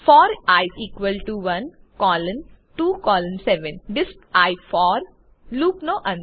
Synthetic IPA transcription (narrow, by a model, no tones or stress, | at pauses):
fɔːɾaɪiːkʋəlʈuʋɐ̃n | kɔːlə̃n | ʈuːkɔːlə̃nsɛʋə̃nd̪ɪs | aɪfɔːɾ | luːknoːʔɐ̃n